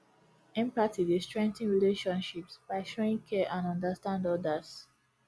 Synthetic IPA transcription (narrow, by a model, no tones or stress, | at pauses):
ɛ̃mpatidestɹɛ̃ŋk̚tĩnɹileʃɔ̃nʃipsb̥aɪʃoĩŋkʰɛʔãnɔ̃ndastãndɔdas